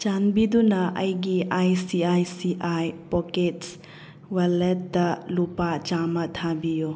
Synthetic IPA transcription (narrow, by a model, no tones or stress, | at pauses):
t͡ʃanbidunɐʔɐ̰jɡiajsiajsiʔajpɔkets | walɛt̚dɐlupat͡ʃamɐtʰabiju